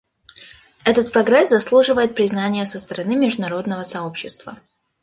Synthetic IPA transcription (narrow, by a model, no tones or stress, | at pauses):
ɛt̪ət̪̚pɾɐɡɾɛszɐslˠuʐɨvəjɪt̪̚pɾʲɪznanʲɪjəsəst̪əɾɐnɨmʲɪʐd̪ʊnɐɾo̞d̪nəvəsɐo̞pɕːɪst̪və̰